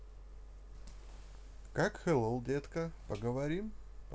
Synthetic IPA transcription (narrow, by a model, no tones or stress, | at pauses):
kakxɛlˠolˠd̪ʲet̪kəpəɡəvɐɾʲimp